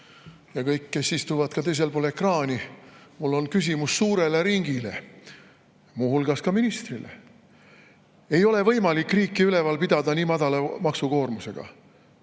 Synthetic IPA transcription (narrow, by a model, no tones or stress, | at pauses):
jɑkɤjkːe̞sist̪uvɑd̪̥kɑt̪e̞js̬e̞lpo̞lekrɑːnʲimulːo̞nkys̬ʲimusːuːɾe̞le̞ɾiŋɡ̥ile̞̰ | muːhulɡ̥ɑskɑminist̪rile̞̰ | e̞jo̞le̞vɤ̞jmɑlikːˑriːkːiyle̞vɑlpid̪̥ɑd̪̥ɑniːmɑd̪̥ɑlemɑksuko̞ːrmuse̞ɡ̥ɑ̰